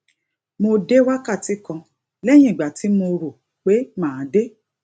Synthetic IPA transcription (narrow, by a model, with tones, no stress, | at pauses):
mo˧de˦wa˦ka˦˨ti˨˦kɔ̃˧ | lɛ˦j̃ĩ˦i˨ɡ͡ba˨ti˨˦mo˧ɾo˨ | k͡pe˨˦mãː˦˨˦de˦